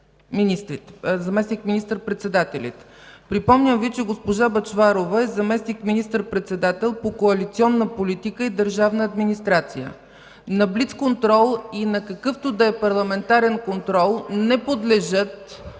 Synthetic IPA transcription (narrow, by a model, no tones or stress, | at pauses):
minʲist̪ɾit̪zɐmɛsnikminist̪əɾpɾɛt̪sɛd̪at̪ɛlʲə̰t̪pɾipɔmnʲəmvit͡ʃɛɡospoʒabɐt͡ʃvaɾovəɛzɐmɛsnikminist̪əɾpɾɛt̪sɛd̪at̪ɛlˠpokoɐlit̪siɔnːəpolit̪ikəid̪əɾʒavnəːd̪minist̪ɾat̪sijə̰ | nɐbliskont̪ɾɔlˠinɐkɐkɤft̪od̪ɐɛpɐɾlˠɐmɛnt̪aɾɛnkont̪ɾɔlˠnɛpod̪lɛʒət̪